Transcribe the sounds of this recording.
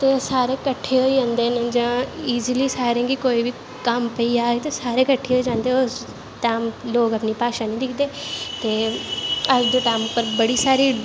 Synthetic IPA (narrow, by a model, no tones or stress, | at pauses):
t̪eːsaːɾeːkəʈʰːeːɦoːid͡ʒãːnd̪eːned͡ʒãːiːzliːsaːɾẽːɡikoːiːʋiː | kəmpəiːaːet̪esaːɾeːkəʈʰːeːɦoːiːd͡ʒãːnd̪eːoːs | t̪ãːmloːɡəpniːpaːʃaːnĩːd̪ɪkʰd̪eːt̪eː | əd͡ʒd̪õt̪aːmʊpːəɾbəɽiːsaːɾiː